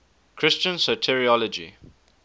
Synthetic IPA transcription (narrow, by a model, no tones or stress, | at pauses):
kʰɹɪst͡ʃə̃nsotʰɛɹiɔlɔd͡ʒḭ